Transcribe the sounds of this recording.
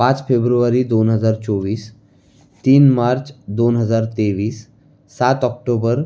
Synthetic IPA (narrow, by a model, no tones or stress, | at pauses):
pãt͡sfebɾuʋaɾiːd̪onɦəd͡zaɾt͡sɔʋiːs | t̪iːnmaɾt͡sd̪onɦəd͡zaɾt̪eʋiːsː | at̪ɔk̚ʈobəɾ